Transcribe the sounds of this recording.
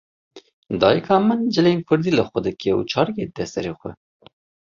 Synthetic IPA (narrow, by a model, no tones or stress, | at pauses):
d̪ɑːjəkʰɑːmənd͡ʒɨlejmkʰʊɾd̪iːləxʷɛd̪ɨkɛṵt͡ʃʰɑːɾked̪ɛst̪ɛɾeːxʷɛ̰